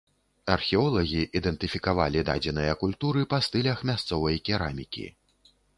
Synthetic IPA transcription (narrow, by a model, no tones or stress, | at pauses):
ɐrxʲɛɔlˠɐɣʲiʔid̪ɛnt̪ɨfʲikava̰lʲid̪a̰d͡zʲɛnɨjɐkulʲt̪uɾɨpɐst̪ɨlʲɐxmʲast̪sɔvɐjkʲɛɾamʲikʲḭ